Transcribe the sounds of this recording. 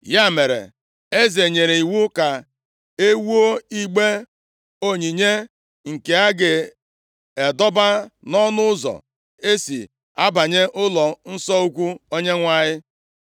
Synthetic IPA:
ja˦me˨ɾḛ˨ | e˦ze˨ɲe˨ɾe˨i˨wu˦ka˨ | e˦wu˦o˦i˦ɡ͡be˦ | o˦ɲi˨ɲe˦ | ŋ̩˨ke˨a˦ɡɪ˨ | e˨dɔ˦ba˦nɔ˦nʊ˦ʊ˦zɔ̰˨ | e˦si˨ | a˦ba˨ɲe˦ʔʊ˦lɔ˨n̩˦sɔ˦u˦kʷu˦o˦ɲe˦ŋʷa˦ɲɪ˦

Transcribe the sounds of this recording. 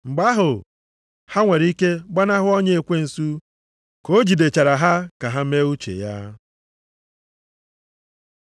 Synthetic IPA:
ŋ͡m̩˨ɡ͡ba˦ɦʊ˨ | ha˦ŋʷe˨ɾi˦ke˦ɡ͡ba˦na˦ɦʊ˦ɔ˦ɲe˦e˨kʷe˦n̩˨su˦ | ko˦d͡ʒi˨de˨t͡ʃa˨ɾa˨ɦa˦ka˨ɦa˦me˦u˦t͡ʃḛ˨ja̰˦

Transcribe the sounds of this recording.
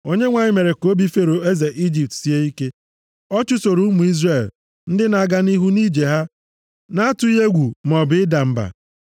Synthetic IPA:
o˦ɲe˦ŋʷa˨ɲɪ˦me˨ɾe˨ko˦bi˦fe˦ɾo˨e˦ze˨ʔi˦d͡ʒi˨p̚tsi˦e˦i˦ke˦ | ɔ˦t͡ʃʊ˦so˨ɾu˦mu˨i˦zre˦˨l | n̩˦dɪ˦na˨a˨ɡa˦ni˦ɦu˦ni˦d͡ʒe˨ɦa˦ | na˦a˦tʊ˦e˦ɡʷu˨m˨ɔ˨bɪ˨˦ɪ˦da˨m̩˦ba̰˨

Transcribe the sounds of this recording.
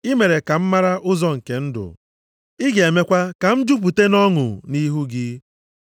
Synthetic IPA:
i˦me˨ɾe˨ka˨m̩˦ma˦ɾa˦ʔʊ˦zɔ˦ŋ̩˨ke˨n̩˦dʊ̰˨ | i˦ɡe˨me˦kʷa˦ka˨m̩˦d͡ʒu˦p̬u˨te˦nɔ˦ŋʊ̰˨ni˦ɦu˦ɡɪ˦

